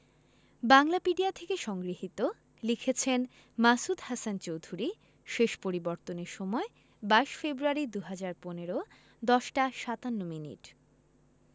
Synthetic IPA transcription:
baŋlapiɖiat̪ʰekeʃɔŋɡɾiɦit̪o | likʰet͡ɕʰen | masud̪hasant͡ɕowd̪ʱuɾi | ʃeʃpoɾiboɾt̪oneɾʃɔmɔe | baeʃfebɾuaɾid̪uɦad͡ʑaɾponeɾo | d̪ɔʃʈaʃat̪anːominḭʈ

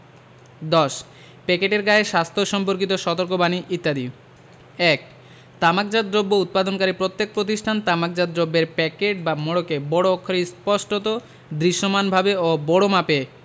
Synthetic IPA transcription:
d̪ɔʃ | pɛkeʈeɾɡaeʃast̪ʰoʃɔmpoɾkit̪oʃɔt̪oɾk̬obaniʔit̪ːad̪i | ɛk̚ | t̪amak̚d͡ʑad̪ɾobːout̪̚pad̪onkaɾipɾot̪ːek̚pɾot̪̬iʃʈʰant̪amak̚d͡ʑad̪ɾobːeɾpɛkeʈ̚bamoɽokebɔɽoːkʰːoɾispɔʃʈot̪o | d̪ɾiʃːomanbʱabeobɔɽomape

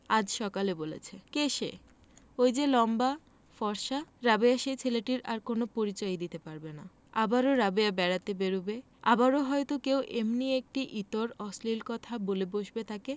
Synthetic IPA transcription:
ad͡ʑʃɔkalebolḛt͡ɕʰekeʃḛ | ojd͡ʑelɔmba | fɔɾʃaɾabeaʃet͡ɕʰeleʈiɾaɾkonopoɾit͡ɕɔed̪it̪epaɾbena | abaɾoɾabeabɛɾat̪ebeɾube | abaɾoɦɔjt̪okewʔemniek̚ʈiʔit̪oɾɔslilkɔt̪ʰaboleboʃbet̪ʰake

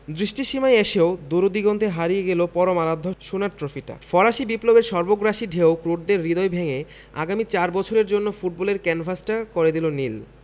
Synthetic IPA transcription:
d̪ɾiʃʈiʃimajeʃeod̪oɾod̪iɡɔnt̪ʰeɦaɾijeɡelopɔɾomalad̪ʱːoʃunaɾtɾofiʈa̰fɔɾaʃibiplobeɾʃɔɾboɡɾaʃiɖʱeokɾoʈ̚d̪eɾːid̪oejbʱeŋe | a̰ɡamit͡ɕaɾbɔt͡ɕʰoɾeɾd͡ʑonːofuʈ̚bɔleɾkɛnfʰasʈakoɾed̪ilonil

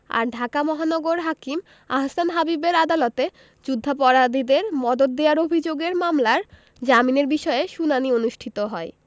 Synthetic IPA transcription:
a̰ɾɖʱakamɔɦanɔɡoɾɦakim | a̰ɦasanɦabibeɾad̪alot̪e | d͡ʑud̪ʱːapɔɾad̪id̪eɾmɔd̪od̪̚ːeaɾobʱid͡ʑoɡeɾmamlaɾ | d͡ʑamineɾbiʃɔeʃunanionuʃʈʰit̪oɦɔe

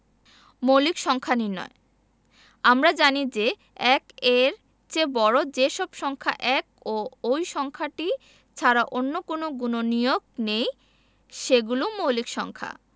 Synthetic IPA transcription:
mowlikʃɔŋkʰaninɔ̰e | amɾad͡ʑanid͡ʑe | ɛkeɾ | t͡ɕebɔɾod͡ʑeʃɔbʃɔŋkʰa̰ʔɛkoojʃɔŋkʰaʈi | t͡ɕʰaɾaʔonːokonoɡunonijoɡ̚nej | ʃeɡulomowlikʃɔ̰ŋkʰa̰

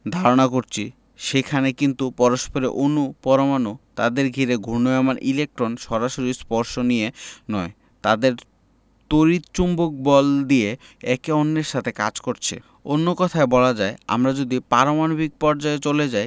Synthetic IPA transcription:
d̪ʱaɾonakoɾt͡ɕʰi | ʃekʰanekint̪upɔɾoʃpoɾḛʔonupɔɾomanot̪a̰d̪eɾɡʱiɾeɡʱonoamanʔilek̚ʈɾonʃɔɾaʃoɾispɔɾʃonijenɔe | t̪ad̪eɾ | t̪oɾit̪t͡ɕumbok̚bɔld̪ije | ɛkeonːeɾʃat̪ʰeka̰d͡ʑkoɾt͡ɕʰḛ | onːokɔt̪ʰaebɔlad͡ʑaea̰mɾad͡ʑod̪ipaɾomanobʱik̚pɔɾd͡ʑaet͡ɕoled͡ʑaj

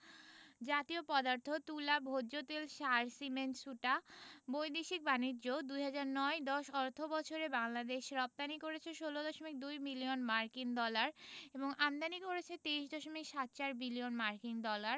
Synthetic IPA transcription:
d͡ʑat̪iopɔd̪aɾt̪ʰot̪ulabʱodʑot̪elʃaɾsimenʈsuʈabojd̪eʃik̚baniːd͡ʑod̪ujɦad͡ʑaɾnɔed̪ɔʃɔɾt̪ʰobɔt͡ɕʰoɾebaŋlad̪eʃɾɔp̚t̪anikoɾet͡ɕʰeʃolod̪ɔʃomik̚d̪ujbilionmaɾkiŋd̪ɔlaɾeboŋamd̪anikoɾet͡ɕʰet̪eiʃd̪ɔʃomikʃat̪̚t͡ɕaɾbilionmaɾkiŋd̪ɔlaɾ

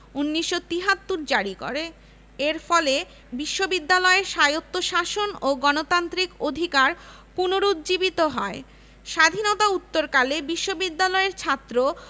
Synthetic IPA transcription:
unːiʃːot̪iɦat̪ːuɾd͡ʑaɾiko̰ɾe | eɾfɔle | biʃːobid̪ːalɔeɾʃajot̪ːoʃaʃonoɡɔnot̪ant̪ɾikod̪ʱikaɾ | punoɾud̪d͡ʑibit̪oɦɔe | ʃad̪ʱinot̪aut̪ːoɾkalebiʃːobid̪ːalɔeɾt͡ɕʰat̪ːɾo

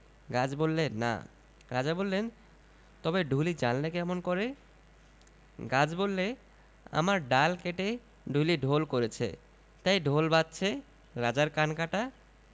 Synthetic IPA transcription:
ɡad͡ʑbolːena̰ | ɾad͡ʑabolːen | t̪ɔbeɖʱulid͡ʑanlekɛmonkoɾe | ɡad͡ʑbolːe | a̰maɾɖalkeʈe | ɖʱuliɖʱolkoɾet͡ɕʰḛ | t̪ajɖʱolbatːɕʰe | ɾad͡ʑaɾkankaʈa

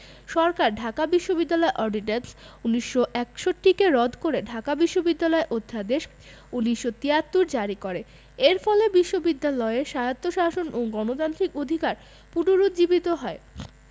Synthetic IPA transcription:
ʃɔɾkaɾɖʱakabiʃːobid̪ːalɔeʔɔɾɖinensuniʃːoʔɛkʃoʈːikeɾɔd̪ʱkoɾeɖʱakabiʃːobid̪ːalɔeʔod̪ʱːad̪eʃ | uniʃːot̪iat̪ːuɾd͡ʑaɾikoɾe | eɾfɔlebiʃːobid̪ːalɔeeʃajat̪ːoʃaʃonʔoɡɔnot̪ant̪ɾikod̪ʱikaɾ | punoɾud̪d͡ʑibit̪oɦɔe

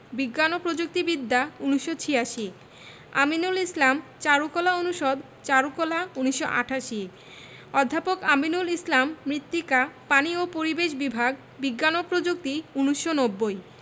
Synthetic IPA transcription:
biɡːanopɾod͡ʑuk̚t̪ibid̪ʱːauniʃːot͡ɕʰijaʃi | a̰minulislamt͡ɕaɾukɔlaonuʃod̪ | t͡ɕaɾukɔlauniʃːo̰ʔa̰ʈʰaʃi | ɔd̪ʱːapokaminulislamːɾit̪ːikapaniopoɾibeʃ̬bibʱaɡ | biɡːanopɾod͡ʑuk̚t̪iuniʃːonobːoj

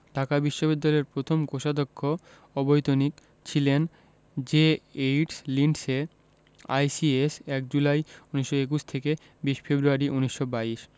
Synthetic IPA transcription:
d̪̥ʱakabiʃːobid̪ːaleɾpɾot̪ʰomkoʃad̪okʰːo | ɔbojt̪onik | t͡ɕʰilen | d͡ʑeeʈslinse | a̰jsiesɛk̚d͡ʑulajuniʃːoek̬uʃt̪ʰeke | biʃfebɾuaɾiʔuniʃːobaiʃ

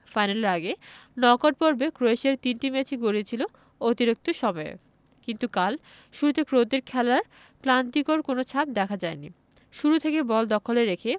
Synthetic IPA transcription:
fajnaleɾaɡenɔkoʈ̚poɾbekɾoeʃeɾt̪inʈimet͡ɕiɡoɾiet͡ɕʰilo | ot̪iɾok̚t̪oʃɔbaḛ | kint̪ukal | ʃuɾut̪ekɾot̪eɾkʰɛlaɾ | klant̪ikoɾkonot͡ɕʰap̚d̪ɛkʰad͡ʑaenḭ | ʃuɾut̪ʰekebɔld̪ɔkʰoleɾekʰe

